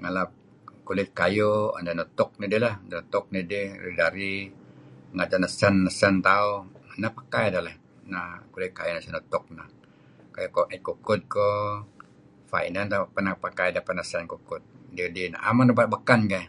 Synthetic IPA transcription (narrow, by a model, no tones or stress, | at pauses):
ŋalap̚ | kulɪt̪̚kajoa̰ndanut̪ʊk̚nidilahdanot̪ʊk̚nidihrḭdaɾi | ŋad͡ʒanəsanːəsant̪auanahpakajdalah | nakulɪt̪̚kajunasanut̪ʊk̚na | kajokɔʔɛt̪̚kukʊt̪̚ko | fa̰ḭnant̪apənapakajdapat̪̚nəsankukʊt̪̚didina̰a̰manrəbat̪̚bəkanɡa